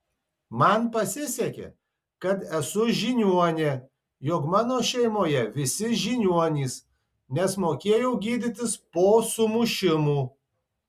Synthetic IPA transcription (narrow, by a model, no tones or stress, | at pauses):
mɐnpɐsʲɪsʲɛkʲɛ̰ | kɐt̪ɛsʊʒʲinʲuɔnʲe | joːkmɑːnoːʃʲɛɪmoːjɛʋʲɪsʲɪʒʲinʲuɔnʲiːs | nʲɛsmoːkʲeːjɛʊɡʲiːd̪ʲɪt̪ʲɪspoːsʊmʊʃʲɪmuː